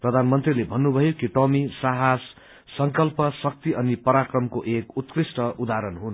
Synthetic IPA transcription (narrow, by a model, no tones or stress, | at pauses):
prʌd̪ʱanmʌnt̪rilebʱʌnːubʱʌjokiʈʌmisaɦasː | ʌŋkʌlpʌsʌk̚t̪iʔʌnipʌɾakrʌmkoʔekut̪krisʈʌud̪aɾʌnɦun